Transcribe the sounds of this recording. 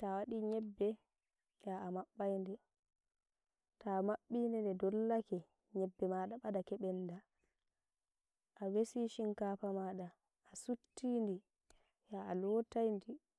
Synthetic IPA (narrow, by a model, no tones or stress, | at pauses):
tawaɗiɲɛbːɛ | jaamaɓːajndɛ | tamaɓːindɛndɛdɔlːakɛ | ɲɛbːɛmaɗaɓadakɛɓɛnːda | ʔawesiʃiŋkaːpamaːɗaː | sutːindi | jaalɔtajndi